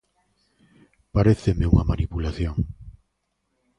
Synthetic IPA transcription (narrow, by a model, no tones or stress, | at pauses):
paɾeθemeuŋɐmanipulaθjoŋ